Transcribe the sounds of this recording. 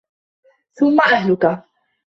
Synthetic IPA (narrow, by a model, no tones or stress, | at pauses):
θʊmːaʔahlʊka